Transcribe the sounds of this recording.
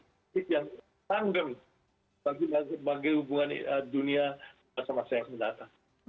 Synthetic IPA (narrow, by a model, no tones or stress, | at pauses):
ɪt̪jaŋ | laŋdəm | baɡiaəbaɡajhubuŋan̰ədunia | masamasaasməndat̪aŋ